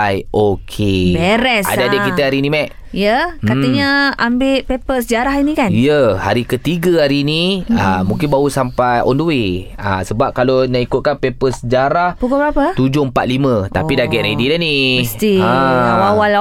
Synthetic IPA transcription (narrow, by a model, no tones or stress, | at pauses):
ajokʰebɛɾɛsa̰daadəkit̪əaɾinĩmɛʔ | ijəkat̪əɲaambeʔpepəsəd͡ʒaɾaɦinikanijəha̰ɾikət̪iɡəaɾiniəmũŋkɪnbaɦusampajɔ̰nduwea̰səbap̚kalonaikʊt̪̚kanpepəsəd͡ʒaɾahbukabəɾapət̪ud͡ʒʊəmpat̪̚limə̃t̪a̰pidaɡɛʔɾedidanist̪iawawala